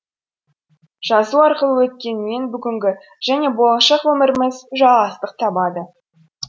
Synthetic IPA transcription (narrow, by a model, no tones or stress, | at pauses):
ʒ̥ɑzuɑɾqəlˠəwɵt̪̚kʲe̞nɪme̞nbʏɡʲɪŋɡʲɪ | ʒ̥æne̞bolˠɑʃɑqwɵmɪɾɪmɪzʒɑlˠʁɑst̪əq̚t̪ʰɑbɑd̪ə